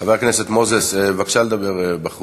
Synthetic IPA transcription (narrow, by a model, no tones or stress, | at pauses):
avaʁkneset̪mozesevakʃaled̪abeʁbaχu